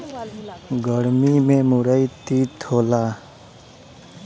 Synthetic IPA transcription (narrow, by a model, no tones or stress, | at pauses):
ɡəɾmimẽmʊɾəit̪iːt̪ʰoːlaː